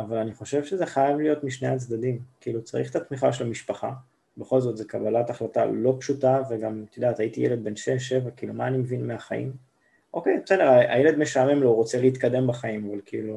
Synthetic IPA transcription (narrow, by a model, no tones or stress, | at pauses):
avalaniχo̞ʃe̞vʃezeχajavlijo̞t̪miʃnejat͡sd̪ad̪imkiilut͡saʁiχt̪at̪miχaʃelamiʃpaχa | beχo̞lzo̞tzekabalataχlata̰lo̞pʃutaveɡamt̪id̪aːt̪aitijeled̪̚be̞nʃeʃevakiilumaːnimevinmeaχaḭm | ʔo̞kejseneʁaʔa̰jeled̪meʃame̞mloʁo̞t͡seleit̪kad̪e̞mbaχaimavalkiḭlu